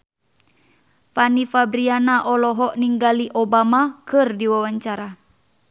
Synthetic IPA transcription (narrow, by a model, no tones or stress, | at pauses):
fanifabɾianaʔɔlɔɦɔʔniŋɡaliʔobamakɨrdiwawaɲt͡ʃaɾa